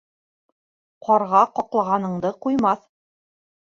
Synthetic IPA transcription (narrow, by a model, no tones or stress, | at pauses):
qʰɒɾʁɑqɒqlˠɑʁɑnɤ̆ɴd̪ɤqujmɑθ